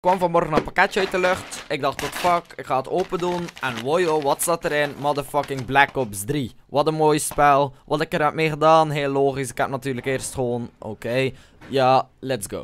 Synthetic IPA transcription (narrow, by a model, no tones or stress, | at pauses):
ɪkːʋɑmvɑnmɔrɣənəpɑkɛtəœɥtəlʏxtɪɡ̚dɑχtːɔtfɑkɪkχaːətoːpədunɛnʋojoʋɑtsɑtəɾɪnmɑdəfɑkɪŋblækɔpsdriʋɑtəmoːjspɛlˠʋɑtɪkərɦɛpmeːχədaːnɦeːlːoːχisɪ̥kɛp̚nɑtyːrləkɪːrstχəʋoːnʔo̰kej | jaːlɛtsɡo̰ː